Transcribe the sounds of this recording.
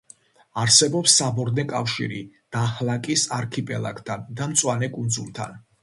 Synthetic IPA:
aɾsɛbɔpsːabɔɾnɛkʼafʃḭɾḭd̪̥ahlˠakʼisaɾkʰipʼɛlˠa̰kʰʼt̪ʰand̪amt̪sʼwanɛkʼund̪zulˠt̪ʰa̰n

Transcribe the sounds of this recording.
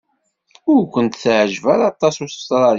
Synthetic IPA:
ʊɾkʷənt̪θʕəʒvæɾˤɑt̪ˤːɑsusə̥st̪ɾˤɑɾ

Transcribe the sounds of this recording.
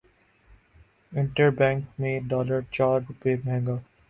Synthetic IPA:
ɪ̃ɳʈəɾbɛ̃ːŋkmẽɖɔːləɾt͡ʃaːɾɾʊpeːmɛ̃ːɡaː

